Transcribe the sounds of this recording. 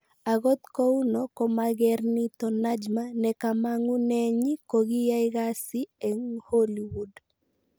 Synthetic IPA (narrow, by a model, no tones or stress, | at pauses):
aɣot̪kounɔkɔmaɡɛɾnit̪ɔnad͡ʒmanɛkamaŋunɛɲikoɡijaiɣasiɛŋholiwud